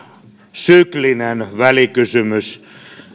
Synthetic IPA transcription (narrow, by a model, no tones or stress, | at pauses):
syklinenʋælikysymys